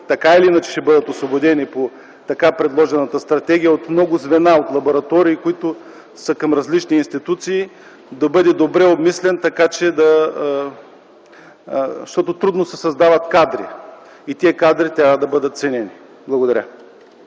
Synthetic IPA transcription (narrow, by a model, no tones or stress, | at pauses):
t̪ɐkailiinɐt͡ʃɛ̥ʃɛbɤd̪ət̪osvobod̪ɛnipo | t̪ɐkapɾɛd̪lˠɔʒɛnət̪əst̪ɾɐt̪ɛɡ̟ʲijəot̪mnɔɡʊzvɛnaot̪lˠɐboɾɐt̪ɔɾiːkʊit̪ʊ | sɐkɐmɾɐzlit͡ʃniːnst̪it̪ut̪siː | d̪ɐbɤd̪ɛd̪obɾɛobmislɛnt̪ɐkat͡ʃɛd̪ɐ | ʃt̪ɔt̪ot̪ɾud̪nosɛsɐzd̪avɐt̪kad̪ɾḭ | it̪iɛkad̪ɾit̪ɾʲavəd̪ɐbɤd̪ət̪̚t̪sɛnɛni | blˠɐɡod̪ɐɾʲa